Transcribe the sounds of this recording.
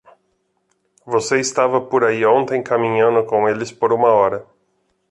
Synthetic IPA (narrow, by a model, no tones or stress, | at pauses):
voseɪst̪avɐpoɾaiõnt̪ẽj̃kamĩɲɐ̃nd̪ʊkõelɪspoɾũmɐɔɾɐ